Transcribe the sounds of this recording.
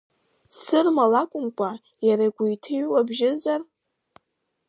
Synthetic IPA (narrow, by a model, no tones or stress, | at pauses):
sɨrmalakʷʼʊmkʷʼa | jaɾaɡʷʊjtʰɨɥwabʒɪzar